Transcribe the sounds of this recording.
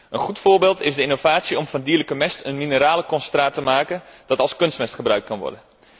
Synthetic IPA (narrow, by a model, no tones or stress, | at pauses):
ʔənχutfʊːɹbɪːlˠtɪzdəinovaːtsiɔmfɑndiːələkəmɛstənminəɾaːləkɔnstraːtəmaːkənd̥ɑtɑlˠskønstmɛstχəbrœɥkt̚kɑnʋɔ̰rdən